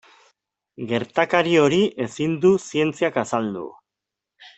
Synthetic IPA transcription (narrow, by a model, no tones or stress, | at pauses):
ɡe̞ɾt̪akaɾio̞ɾiʔe̞sind̪usie̞nt͡siakasald̪ṵ